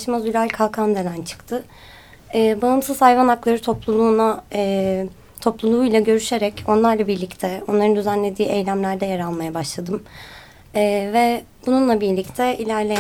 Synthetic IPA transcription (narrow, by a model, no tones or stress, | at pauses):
ʃmazylʲalʲkʰalˠkʰand̪elʲænt͡ʃʰɯ̥kt̪ʰɯ | ɛːbaɯmsɯzajvanaklˠaɾɯt̪ʰo̞plˠulˠuːna | t̪ʰo̞plˠulˠuːjlˠaɟø̞ɾyʃe̞ɾɛco̞nlˠaɾlˠabiɾlʲict̪ʰɛo̞nlˠaɾɯnd̪yzænlʲe̞d̪iːʔe̞jlʲæmlʲæɾd̪ɛjeɾalˠmajabaʃlˠad̪ɯmː | vɛ | bununlˠabiɾlʲict̪ʰɛilʲæɾlʲej